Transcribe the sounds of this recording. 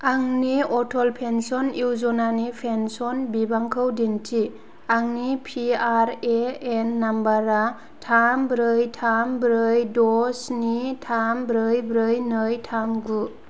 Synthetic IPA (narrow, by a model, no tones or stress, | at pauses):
aŋniɔtʰɔlpʰensɔniwzɔnanipʰensɔnbibaŋkʰɯwdintʰi | aŋnipʰiaɾeenːambaɾa | tʰambɾɯjtʰambɾɯjdɔsnitʰambɾɯjbɾɯjnɯjtʰamɡu